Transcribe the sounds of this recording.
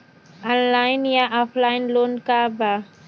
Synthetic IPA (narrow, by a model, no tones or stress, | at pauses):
anlaɪnjaʔapʰlaɪnloːnkaba